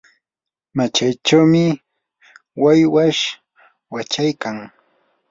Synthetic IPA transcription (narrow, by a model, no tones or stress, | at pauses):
mat͡ʃajt͡ʃawmɪ | wajwaʃ | wat͡ʃajkaŋ